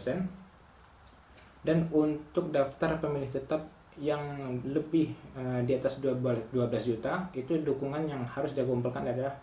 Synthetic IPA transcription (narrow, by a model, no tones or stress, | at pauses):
sɛn | danunt̪ʊk̚daft̪arpəmilɪht̪ət̪ap̚ | jaŋləbɪhədiat̪asdduabəlasd͡ʒut̪ait̪udukuŋanjaŋhaɾʊsdiaɡɔmpulkandadalah